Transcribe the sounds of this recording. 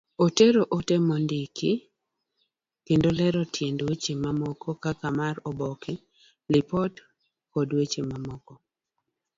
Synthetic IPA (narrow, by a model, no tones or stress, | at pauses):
oteɾoʔotemondɪkɪ | kendolɛɾɔtjendwet͡ʃemamɔkɔkakamarɔbɔkɪ | lɪpɔt | kɔdwet͡ʃemamɔkɔ